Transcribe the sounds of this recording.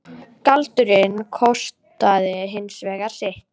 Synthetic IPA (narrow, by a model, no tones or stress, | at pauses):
kalt̪ʏɾɪnkʰɔst̪aðɪɦɪnsvɛːɣaɾ̥sɪht̪